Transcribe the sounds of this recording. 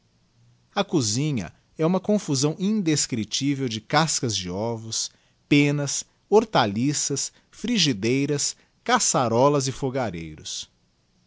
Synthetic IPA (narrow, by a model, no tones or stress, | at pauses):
ɐkuzĩɲɐ̰ | ɛũmɐkõfuzɐ̃w̃ĩnd̪eskɾit͡ʃivewd͡ʒɪkaskɐzd͡ʒɪɔvʊs | pẽnɐs | oɾt̪alisɐs | fɾiʒid̪ejɾɐs | kasaɾɔlɐzɪfoɡaɾejɾʊ̰s